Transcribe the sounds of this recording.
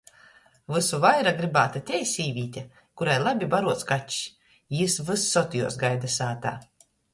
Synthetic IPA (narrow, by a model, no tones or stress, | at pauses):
vɨsuvajɾaɡɾibaːt̪at̪ʲɛjsʲiːvʲiːt̪ʲa | kuɾajlˠabʲibaɾuɔt̪skat͡ʃʲ | isvɨsːɔt̪ʲijṵːsɡajd̪asaːt̪aː